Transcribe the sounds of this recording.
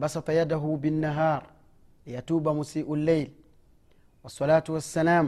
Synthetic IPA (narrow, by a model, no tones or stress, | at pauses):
bɑsɑt̪ˤɑjadaɦubinːaɦaːɾˤ | jatuːbamusiːʔulːejl | wɑsˤːɑlaːt̪uwasːalaːm